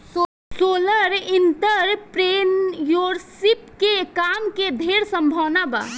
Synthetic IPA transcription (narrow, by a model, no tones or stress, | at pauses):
soləɾint̪əɾpɾenjoɾsipkekamked̪ʱeɾsəmbʱəwnaba̰